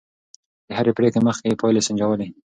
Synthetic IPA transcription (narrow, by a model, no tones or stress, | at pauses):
d̪̥əhaɾepɽekeməxkepɑjlesɪɲd͡ʒawəle